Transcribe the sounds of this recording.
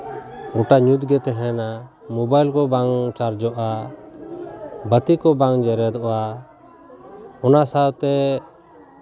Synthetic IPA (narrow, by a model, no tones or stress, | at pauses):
ɡɔʈaɲut̪ɡɛt̪ɛɦɛna | mɔbajlkɔbaŋt͡ʃaɾd͡ʒɔʔa | bət̪ikɔbãŋd͡ʒɛɾɛd̪ɔa | ɔnasawt̪ɛ